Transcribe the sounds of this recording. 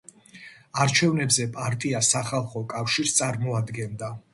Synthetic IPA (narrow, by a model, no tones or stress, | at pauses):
aɾt͡ʃʰɛvnɛbzɛpʼaɾt̪ʼiasaχalˠχɔkʼafʃiɾst̪sʼaɾmɔad̪ɡɛnd̪a